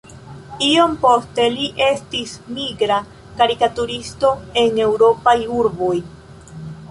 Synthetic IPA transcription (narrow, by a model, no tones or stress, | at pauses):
io̞mpo̞ste̞liʔe̞stismiɡɾa | kaɾikatuɾisto̞e̞ŋe̞wɾo̞pajuɾbo̞j